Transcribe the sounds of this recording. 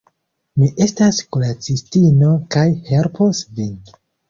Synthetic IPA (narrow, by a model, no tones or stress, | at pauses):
miʔe̞staskolat͡sistino̞kajhelpʰosvin